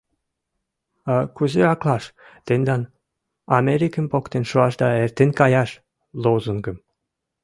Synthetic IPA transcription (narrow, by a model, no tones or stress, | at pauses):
ɑkuzeɑklˠɑʃ | t̪enʲd̪ɑn | ɑmʲeɾʲikəmʲpokt̪enʃuɑʃd̪ɑert̪enʲkɑjɑʃ | lˠowzuŋɡɤ̆m